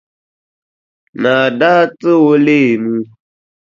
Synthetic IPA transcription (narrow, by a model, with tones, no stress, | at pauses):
na˨da˦t͡sɨ˦wo˦le˦˨nũ˦